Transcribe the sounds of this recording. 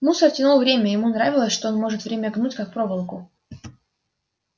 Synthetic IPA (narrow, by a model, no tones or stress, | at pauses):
musərtʲɪnulˠvɾʲemʲəjɪmunɾavʲɪlˠəsʲʂt̪oonmo̞ʐɨt̪vɾʲemʲəɡnutʲkak̚pɾo̞vəlˠkʊ